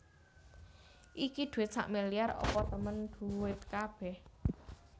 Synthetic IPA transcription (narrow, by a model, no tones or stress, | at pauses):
ʔikid̪̥ṳwɪt̪̚sa̰ʔmelijarɔ̰pɔt̪əmənd̪̥uwɪt̪̚kab̥ɛh